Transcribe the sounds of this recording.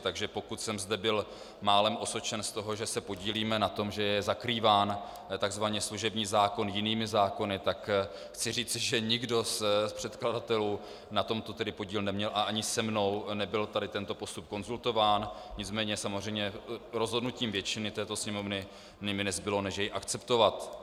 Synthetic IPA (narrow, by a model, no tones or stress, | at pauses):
t̪aɡʒɛpo̞kut̪sɛmzdɛbɪl | maːlɛmʔo̞sot͡ʃɛnst̪o̞ɦo̞ʒɛsɛpo̞ɟiːliːmɛnat̪o̞mʒɛjɛzakɾiːvaːn | t̪aɡzvaɲɛsluʒɛbɲiːzaːko̞njɪniːmɪzaːko̞nɪt̪ak | xt͡sɪriːt͡sɪʒɛɲɪɡdo̞spr̝̥ɛt̪kladat̪ɛluː | nat̪o̞mt̪ot̪ɛdɪpo̞ɟiːlnɛmɲɛlʔaʔaɲɪsɛmno̞wnɛbɪlt̪adɪt̪ɛnt̪o̞po̞st̪up̚ko̞nzult̪o̞vaːn | ɲɪt͡smɛːɲɛsamorɛjmɲɛɾo̞zɦo̞dnuciːmvjɛt͡ʃɪnɪt̪ɛːt̪o̞sɲɛmo̞vnɪ | nɪmɪnɛzbɪlo̞nɛʃjɛjʔakt͡sɛpt̪o̞vat̪